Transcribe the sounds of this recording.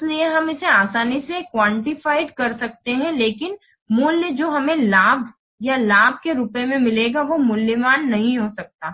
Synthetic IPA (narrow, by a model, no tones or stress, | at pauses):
ɪslieɦɐmɪseaːsaːnisekwãːɳʈɪfaːɪɖkɐɾsɐk̚t̪eɦɛ̃leːkɪn | mʊlːjəd͡ʒoːɦɐmẽlaːbʱ | jalaːb̚ʱkeɾʊpemẽmɪleːɡaʋomʊlːəmaːnːɐɦĩɦoːsɐk̚t̪aː